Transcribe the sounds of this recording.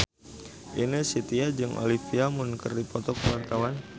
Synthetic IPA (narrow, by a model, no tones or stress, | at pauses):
ʔinəsit̪iad͡ʒɨŋʔo̰lifiamʊnkərdipɔt̪ɔkəwart̪awan